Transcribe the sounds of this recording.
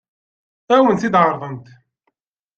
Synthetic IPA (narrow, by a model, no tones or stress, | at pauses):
æwənt̪id̪ʕɑɾˤðˤənt̪